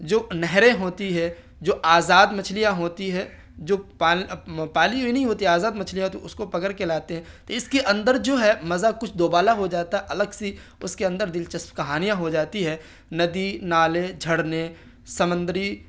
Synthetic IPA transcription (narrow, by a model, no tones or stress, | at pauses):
d͡ʒoːnɛɦɾẽɦoːt̪iɦɛ | d͡ʒoːʔaːzaːd̪mɐt͡ʃʰlijaɦoːt̪iɦɛ | d͡ʒoːpapaːliɦoinɐɦĩɦoːt̪iɦɛaːzaːd̪mɐt͡ʃʰlijaɦoːt̪iʊskopɐkəɾkelaːt̪eɦɛ̃ːt̪oɪskeʔɐ̃nd̪əɾd͡ʒoːɦɛmɐzakʊt͡ʃʰd̪oːbaːlaɦod͡ʒaːt̪aɦɛʔɐləɡsi | ʊskeɐ̃nd̪əɾd̪ɪlt͡ʃɐspkɐɦaːnijãɦod͡ʒaːt̪iɦɛ | nɐd̪inaːled͡ʒʱɐɽne | sɐmə̃nd̪ɾi